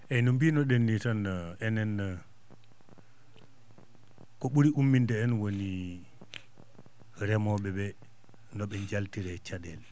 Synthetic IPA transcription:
ʔɛnumbinɔɗenːitanaɛnɛnːa | kɔɓuɾiʔumːindɛɛnwoni | ɾɛmɔɓɛbɛ | nɔɓɛɲd͡ʒaltiɾɛt͡ʃadɛl

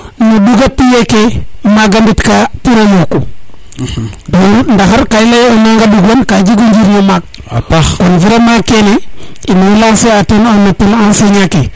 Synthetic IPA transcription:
noduɡapijekemaɡambitkapiɾoluku | dundaxaɾkailajonaŋɡaduɡonkad͡ʒiɡund͡ʒiɾnomak̚ | pakonviɾemakeneinulaŋseatenanːapilanseɲake

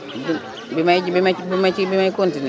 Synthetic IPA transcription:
bi | bimaibimabimat͡ʃibimaikontini

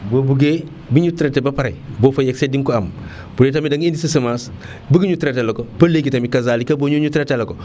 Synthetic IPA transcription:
bobuɡe | biɲutɾetebapaɾajbofojeksediŋkoam | buɾetamidaŋindisisimas | biɡiɲutɾetelokopɐleɡitamikazaːlikaboɲuɲutɾateloko

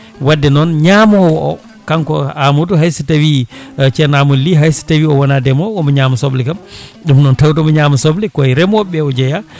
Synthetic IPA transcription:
wadːɛnɔnɲaːmɔwɔʔɔ | kankɔamutuɦajsitawit͡ʃɛnamulːiɦajsi̥tawiɔwɔnadɛmɔkɔmɔɲaːmasoblikamɗumnɔntawtɔmɔɲamusoblikɔɛɾɛmɔɓɛɔd͡ʒɛja

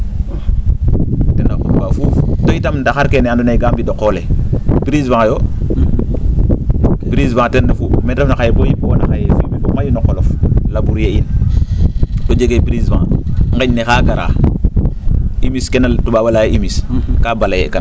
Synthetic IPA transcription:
tɛnakoubafuftoitamndaxaɾkenandoneɡambidokːolebiɾisvaŋjo | biɾisvãŋtɛnːafumɛnɾefnaxajebojibonaxajefilmibomajinokoloflabuɾjein | tod͡ʒeɡebiɾisvã̰ŋŋɡeɲnexaɡaɾa̰ː | imiskenatubabalajʔimiskabalajḛkan

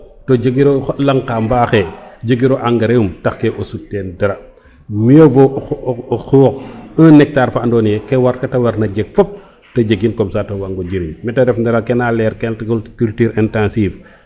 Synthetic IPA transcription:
tɔd͡ʒəɡiɾɔlaŋkaːmbaːxɛd͡ʒəɡiɾɔʔaŋɡɐɾeumtaxkɛʔɔsutːɛːndɐɾɐ | mijɔvɔ | xɔːxənɛk̚taːɾfaʔndɔːnijɛkɛwaɾkɐtɐwɐɾnɐd͡ʒɛɡ̚fɔp̚ | tɐd͡ʒəɡinkɔmsaːtɔwaŋɡɔɟiɾimmɛtɐɾɛfndɐɾɐkɛnalɛːɾkɛnkkultyːɾɛntãnsiːf

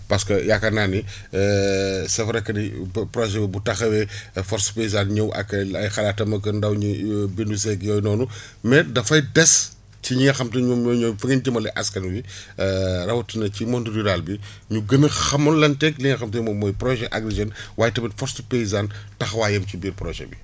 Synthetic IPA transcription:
pɐskɐjakːɐnani | sɛfɾɐkɐnipɾɔʒɛwɛbutɐxɐwɛfɔɾspejizanɲɐwʔɐ̰kːɐɐjxɐlatɐmɐkɐndɐwɲubindus̬ɛkjɔjnɔːnumɛdɐfɐjdɛs | ciɲiŋɐxɐmtɐɲɔɲɔfɐŋind͡ʒɐmɐlɐʔɐskɐnwi | rɐwɐtinɐcimɔndɾiɾaːlbiɲuɡɐmixɐmːɐnlɐntɛkliŋɐxɐmtɐɲmɔmɔjpɾɔʒɛʔɐɡɾeʒɐnwaːjtɐmitfɔɾspejizantɐxɐwaːjɐmt͡ʃibiːɾpɾɔʒɛ̰bḭ

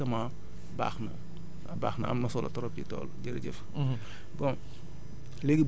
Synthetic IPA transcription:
ɐma | ba̰ːxnɐ | ɐbaːxnɐ̰ɐ̰mnɐsɔlɐ̰tɔɾɔp̚d͡ʒitɔ̰ːlɟiɾɟɛ̰f | bɔn | leɡib

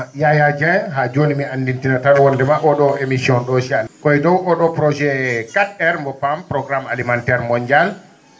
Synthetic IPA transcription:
jajad͡ʒɛ̃ɦad͡ʒonimiandintinataɗɔwɔndɛmaʔɔɗɔemisiɔnɗɔsalkɔɛdɔwɔɗɔpɾɔd͡ʒɛkatɛɾmbɔpampɾɔɡɾamalimantɛɾmɔɲd͡ʒal

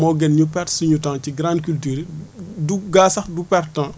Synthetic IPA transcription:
mɔɡɛnɲupɛrtsiɲutãːciɡɾãːndkyltyːɾduɡaːsɐxdupɛrtã

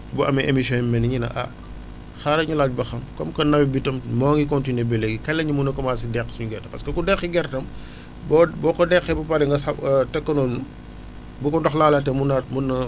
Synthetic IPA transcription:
buʔɐmɛʔemisjɔnɛmːɛnɲinɐ̰ʔɐ̰ | xaɾɐɲulaːɟ̚bɐxɐmkɔmkɐnɐwibitɐmmɔːŋikɔntinebɛlɛɡikɛlɐɲimunɐkɐmaːsidɛksɲuɡɛrtɐpɐskɐkudɛxiɡɛrtɐm | bɔbɔkɔdɛxɛbɐpɐɾɛŋɡɐsɐtɛkːɐnɔlnu | bukɔndɔxlaːlɐtɛmunɐmunɐ

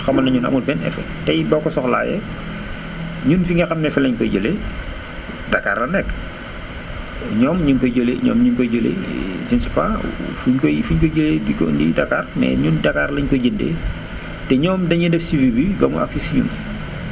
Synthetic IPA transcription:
xɐmɐnɐɲunɐ̰mut̚bɛnɛ̰fɛ̰ | tɐjbɔkɔsɔxla̰ːjɛ̰ | ɲunfiŋɡɐxɐmnɛfɛlɐɲkɔɟəle | dɐkːaːrlɐnɛkː | ɲɔːmɲuŋkɔɟoleɲɔ̰ːmɲunkɔɟolḛd͡ʒinsi̥pafuɲkɔfuɲkɔɟəlediko̰ndḭdɐkaːrmɛ̰ɲundɐkaːrlɐɲkɔɟindɛ̰ | tɛɲɔːmdɐɲɐdɛfsivibiɡɐmṵʔa̰ksisɲṵn

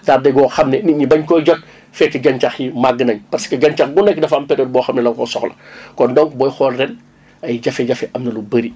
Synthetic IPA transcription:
taːdɐjɡɔːxɐmnɛniɲibɐɲkɔːjɟɔt̚ | fɛkːɐɡɐɲt͡ʃɐximaɡːənɐɲpɐɾsi̥kɐɡɐɲt͡ʃaɐxɡunɛkːdɐfɐmpɛɾɔːd̚bɔːxɐmnɛlɐkɔsɔxlɐ̰kɔndɔŋkbɔːjxɔːlrɛn | ɐjɟɐfɛɟɐfɛʔɐmnɐlubɐɾi

